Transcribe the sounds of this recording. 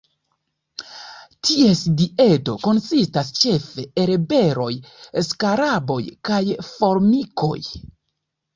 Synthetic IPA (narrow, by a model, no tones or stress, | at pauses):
tʰie̞sdie̞to̞ko̞nsistast͡ʃe̞fe̞eɾebe̞ɾo̞jskaɾabo̞̰jkajfo̞ɾmiko̞̰j